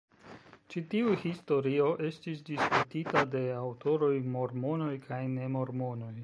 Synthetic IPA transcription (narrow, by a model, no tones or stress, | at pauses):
t͡ʃitiuhisto̞ɾio̞ʔe̞stisdiskutitade̞awtʰo̞ɾo̞jmo̞ɾmo̞no̞jkʰajne̞mo̞ɾmo̞no̞j